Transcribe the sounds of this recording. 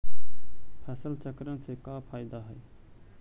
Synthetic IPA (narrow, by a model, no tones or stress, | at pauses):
pʰɛːsəlt͡ʃəkɾənsekapʰaːɪd̪aɦəj